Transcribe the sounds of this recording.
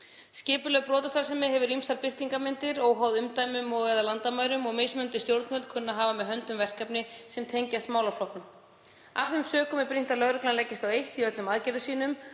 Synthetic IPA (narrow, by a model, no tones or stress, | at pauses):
scɪːpʏlœɣpɾɔːt̪ast̪aɾ̥sɛmːɛɦɛvʏɾimsaɾpɪr̥t̪iŋkamɪnt̪ɪɾɔɣɦaːwðʏmt̪aːjmʏmɔɣɛːðalant̪amaːjɾʏmɔɣmejsmʏnt̪ʏst̪jowɾt̪nvœlkʰʏnːaɦaːvamɛðɦœnt̪ʏmvɛr̥kapnɪsɛmt̪ʰejɲcast̪maːwlawflɔhknʏm | a̰fθɛjmsœːkʏmɛpɾin̥t̪alœɣɾœklanlɛcːɪst̪awejht̪iœt̪lʏmaðcɛɾðʏsiːnʏm